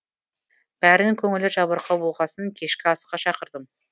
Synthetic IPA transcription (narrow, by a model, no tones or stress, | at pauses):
b̥æɾɪnɪŋkʲʰɵŋɪlɪʒɑβəɾqʰɑwoʁɑsəŋkʲʰe̞ʃkʲɪɑsqːɑʃɑqəɾd̪əm